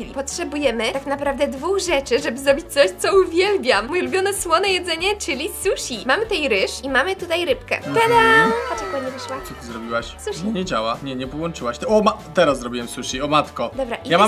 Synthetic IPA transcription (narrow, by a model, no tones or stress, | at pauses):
ilʲipɔtʂɛbujɛmɘt̪aknapɾavd̪ɛd̪vuxʐɛt͡ʂɘʐɛbɘzɾɔbʲit͡ɕ̚tsɔɕt̪sɔuvʲjɛlbʲjammujlubʲjɔnɛswɔnɛjɛd̪zɛɲɛt͡ʂɘlʲisuɕimamɘt̪ɛjɾɘʂimamɘt̪ut̪ajɾɘpkɛ̰t̪ɛd̪apat͡ʂakuaɲivɘʂwat͡sɔt̪ɘzɾɔbʲiwaɕsuɕiɲɛd͡ʑawaɲɛɲɛpɔwɔnt͡ʂɘwaɕt̪ɛɔmat̪ɛɾaszɾɔbʲiwɛmsuɕiɔmat̪kɔd̪ɔbɾa̰ʔijamam